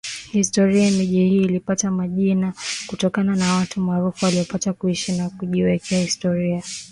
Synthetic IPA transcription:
histɔɾiamiʄihiːlipatamaʄinakutɔkananawatumaːɾufuwaliɔpatakuiʃinakuʄiwɛkʰɛahistɔɾia

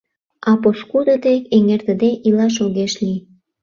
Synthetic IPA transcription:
ɑposkud̪ət̪ekeŋert̪ə̆d̪eʔilɑʃ̬oɣeʃli

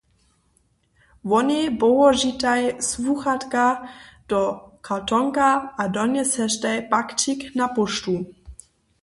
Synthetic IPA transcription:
ʋɔnibowɔʒit̪ajsvuxat̪kad̥ɔkʰatɔŋkaʔadɔnjɛsɛʃtajpakt͡ʃiknapɔʃtu

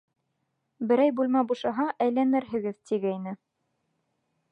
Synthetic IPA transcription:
bɘ̆ɾæjbulˠmæbuʃɑɦɑʔæjlænɘɾɦɘ̆ɡɘðt̪ʰiɡæinɘ

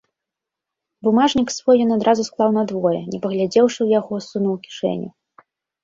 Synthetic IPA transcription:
bumaʐnʲiksvɔjɔnad̪ɾʔazusklˠawnɐd̪vɔjɛ̰nʲɛpɐɣlʲad͡zʲɛwʂɨwjaɣɔsunuwkʲi̥ʂɛ̰nʲṵ

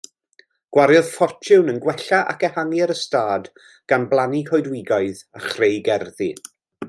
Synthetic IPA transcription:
ɡ̥waɾjɔð̥fɔrt͡ʃʰɪwnənɡwɛɬaʔa̰kɛhanjaɾəstaːd | ɡ̥anblˠanikʰɔjdwɪɡaɨðaχrejɡɛrði

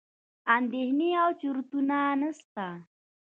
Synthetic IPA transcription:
and̪ehniawt͡ʃuɾt̪unanəst̪a

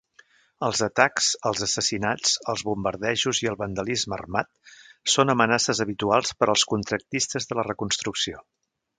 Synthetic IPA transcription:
əlˠzət̪aksəlˠzəsəsinat͡səlˠzβumbəɾðɛʒuziəlˠβənd̪əlizmə̰ːrmat̪̚sonəmənasəzəβit̪ualˠspəɾəlˠskunt̪ɾək̚t̪ist̪əzðələrəkunst̪ɾuksio

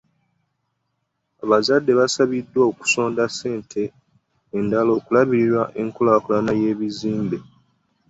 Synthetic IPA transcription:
aβazadːe̞βasaβidːwaoku̥so̞ːndase̞ːntʰe̞ː | ndalo̞ːkulaβiɾiɾwaʔe̞ŋkolaːkulanaje̞ːβiziːmbe̞

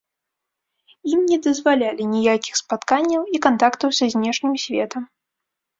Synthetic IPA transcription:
imnʲɛd̪ɐzvalʲalʲinʲijakʲixspat̪kanʲːɐwikant̪akt̪ɐwsʲɐzʲnʲɛʂnʲimsʲvʲɛt̪ɐm

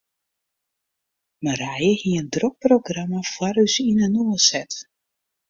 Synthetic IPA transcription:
məɾɛjəhiəndrok̚prowɡramafwaɾysinɛnuəsɛt

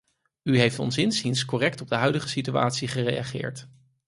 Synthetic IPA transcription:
yɦejftɔ̰nsɪnsinskɔrɛktɔb̚dəɦœɥdəχəsitya̰ːtsiχərejaχɪ̰ːɹt

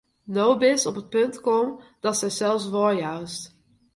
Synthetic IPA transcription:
nowbɪsɔpət̚pɵntkɔmd̥ɑtsɛjzɛlˠsʋɔɹjœɥst

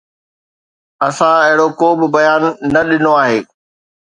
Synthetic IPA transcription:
ɐsãɪɦɪɽokoːbɪbɐjaːnːɐɗɪnoaːɦeː

